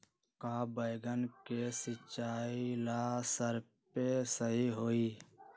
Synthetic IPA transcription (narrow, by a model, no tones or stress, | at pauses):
kaːbəɪɡənkesɪt͡ʃaːilasəɾ | pesəɦiɦoːiː